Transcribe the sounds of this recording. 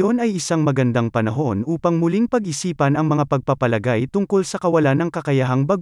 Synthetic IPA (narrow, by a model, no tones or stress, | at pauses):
o̞nɐjɪsaŋmɐɡɐnd̪aŋpɐnɐɦo̞nʔuːpɐŋmʊliŋpɐɡʔɪsiːpɐnɐŋmɐŋapɐɡ̚pɐpɐlɐɡajt̪ʊŋko̞lsɐkɐwɐlanɐŋkɐkɐjɐɦaŋbɐɡ